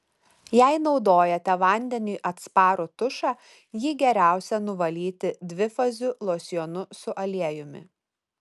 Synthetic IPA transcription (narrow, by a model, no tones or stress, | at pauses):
jɛɪnɒʊd̪oːjɛt̪ʲɛʋɐˑnʲd̪ʲɛnʲuːʔɐt̪spɑːɾoːt̪ʊʃɑː | jiːɡʲɛɾʲæˑʊsʲɛnʊʋɐlʲiːt̪ʲɪd̪ʲʋʲɪfɐzʲulˠoːsʲjɔnʊsʊʔɐlʲiɛjʊmʲɪ̰